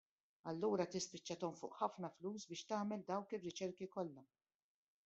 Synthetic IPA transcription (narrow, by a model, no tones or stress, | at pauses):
ɐlːuːɾɐt̪ɪspɪt͡ʃːɐt̪ɔmfʊ̰ːʔħɐfnɐfluːsbɪːʃt̪ɐːmɛld̪ɐwkɪrːɪt͡ʃɛɾkikɔlːɐ